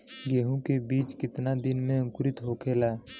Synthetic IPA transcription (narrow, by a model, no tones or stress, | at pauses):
ɡeːɦũkebiːt͡ʃkɪt̪nad̪ɪnmẽə̃ŋkʊɾɪt̪ɦokʰeːlaɛ